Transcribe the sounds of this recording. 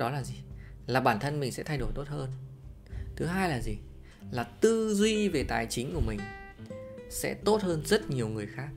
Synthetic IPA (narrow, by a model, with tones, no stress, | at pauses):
ɗɔ˨˦laː˨˩zi˨˩ | laː˨˩ɓaː˧˩nt̪ʰə˧nmi˨˩ŋsɛ̰˧˥t̪ʰa˧jɗo˧˩jt̪o˦˥t̚həː˧n | t̪ʰɨ˨˦ɦaː˧jlaː˨˩zi˨˩ | laː˨˩t̪ɨ˧zwi˧ve˨˩t̪aː˨˩jt͡ɕï˨˦ŋ̟ku˧˩əmï˨˩ŋ̟ | sɛ̰˧˥t̪o˦˥t̚həː˧nzə˦˥t̚ɲi˨˩əwŋɨ˨˩əjxaː˦˥k̚